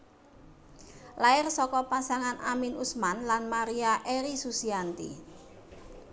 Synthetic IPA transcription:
laɪrsɔkɔpasaŋanaminusmanlanmaɾiaʔeɾisusiant̪ḭ

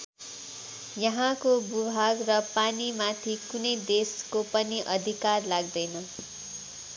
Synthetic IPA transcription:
jʌɦãkobubʱaɡrʌpanimat̪ʰikunʌjd̪eskopʌniʔʌd̪ʱikarlaɡ̚d̪ʌjnʌ

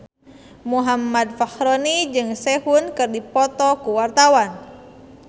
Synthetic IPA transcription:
muɦamːad̪̚fahɾɔnid͡ʒɨŋsɛhunkɨrdipɔt̪ɔkuwart̪awan

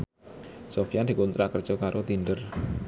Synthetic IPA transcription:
sofijand̪i̤kunt̪ɾaʔkərd̥ʒ̥ɔkaɾʔot̪inɖər

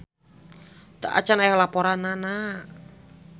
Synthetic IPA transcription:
t̪aʔa̰t͡ʃanajalapɔɾanːana

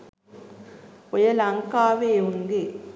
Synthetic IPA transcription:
ɔjɐlɐŋkaːʋeːʊŋɡi

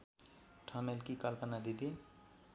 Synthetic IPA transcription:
ʈʰamelkikəlpənad̪id̪i

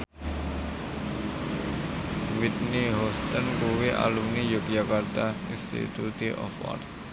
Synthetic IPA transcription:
wit̪niɦɔst̪ənkoweʔa̰lumnijok̚jakart̪ainst̪ḭt̪ut̪iʔɔ̰fɔ̰t

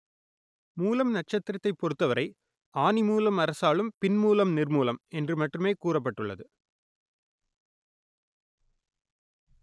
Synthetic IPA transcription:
muːlɐmnɐʈ̚t͡ʃɐt̪ːɪɾɐt̪ːɐɪpːɔɾɯt̪ːɐʋɐɾʔɐɪ | aːnimuːlɐmɐɾɐsaːlɯmpɪnmuːlɐmnɪrmuːlɐmɛndrɯmɐʈrɯmeːkuːrɐp̬ːɐʈːɯɭːɐðɯ

